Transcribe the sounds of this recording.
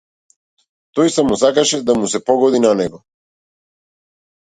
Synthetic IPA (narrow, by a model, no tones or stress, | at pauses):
t̪ɔjsamɔsakaʃɛd̪amusɛpɔɡɔd̪inanɛɡɔ